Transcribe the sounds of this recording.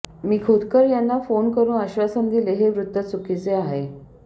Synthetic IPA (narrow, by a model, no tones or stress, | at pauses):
miːkʰod̪kəɾjanːafonkəɾuːnəɕʋasənd̪ileɦeʋɾut̪ːʋət͡sukit͡seaɦe